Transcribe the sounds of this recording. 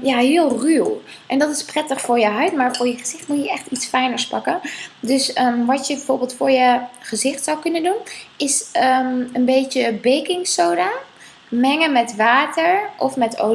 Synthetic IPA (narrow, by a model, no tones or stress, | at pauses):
jaːɦɪːlˠrywʔɛndɑtɪsprɛtəχfʊːɹjəɦœɥtmaːɹfʊːɹjəχəz̥ɪχtmutjəʔɛχtitsfɛjnəɹspɑkəndɵsəʋɑtjəbɛvʊːɹbɪːlˠtfʊːɹjəχəzɪχtsɔwkɵnəndunɪsəənbejtəbejkɪŋsowda | mɛŋəmɛtʋaːtəɹʔɔfmɛto̰